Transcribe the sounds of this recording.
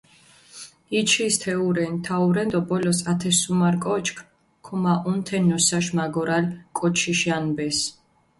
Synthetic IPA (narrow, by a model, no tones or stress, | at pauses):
it͡ʃʰist̪ʰɛuɾɛnt̪ʰauɾɛnd̪ɔbɔlɔsat̪ʰɛsumaɾkʼɔt͡ʃʰʼkʰ | kʰɔmaʔunt̪ʰɛnɔsaʃmaɡɔɾalkʼɔt͡ʃʰiʃanbɛs